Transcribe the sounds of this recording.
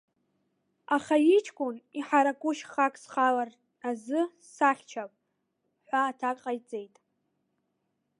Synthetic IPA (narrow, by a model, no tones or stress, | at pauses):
aχajit͡ʃʰʼkʷʼʊniħaɾakʼʊʃχakʼsχalar | azɨ | saχʲt͡ʃʰapʼ | ħʷaːtʰakʼqʼajt͡sʼe̞jtʼ